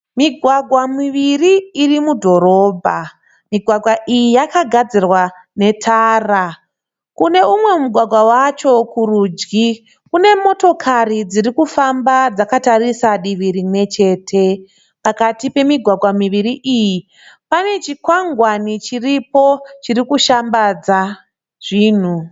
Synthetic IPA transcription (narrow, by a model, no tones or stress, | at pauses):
miɡʱwaɡʱwamiʋiriːrimudʱo̞ɾo̞ːbʱa | miɡʱwaɡʱwaʔijijakaɡʱad͡zirwa | ne̞tʰaːra | kune̞umwe̞muɡʱwaɡʱwawat͡ʃo̞kuruːd͡ʒɡi | kune̞mo̞to̞kʰarid͡zirikufambad͡zakatarisaɗiʋiɾimwe̞t͡ʃe̞ːtʰe̞ | pakatipe̞miɡʱwaɡʱwamiʋiɾiʔiji | pane̞t͡ʃikwaŋɡwanit͡ʃiripo̞t͡ʃirikuʃambad͡za | ʐ̥iːn̤u